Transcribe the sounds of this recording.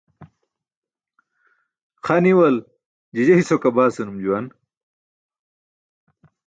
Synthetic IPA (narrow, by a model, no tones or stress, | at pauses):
xɐniwɐl | d͡ʑid͡ʑɐisokɐbaːsɐnumd͡ʑuwɐn